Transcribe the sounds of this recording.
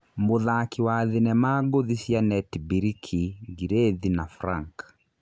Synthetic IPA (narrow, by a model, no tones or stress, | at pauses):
mboðakiwaːðinɛmaɡoðisjanɛtibiɾikʰiɡiɾeðinafɾaŋk